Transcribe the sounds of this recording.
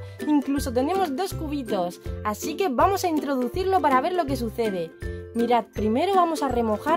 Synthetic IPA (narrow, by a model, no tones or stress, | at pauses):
iŋkluso̞t̪̬e̞ne̞mo̞zd̪o̞skuβ̞it̪o̞sasike̞βamo̞saint̪ɾo̞ð̞uθiɾlo̞paɾaβ̞e̞ɾlo̞k̬e̞s̬uθe̞ð̞e̞miɾat̪̚pɾime̞ɾoβamo̞sare̞mo̞xa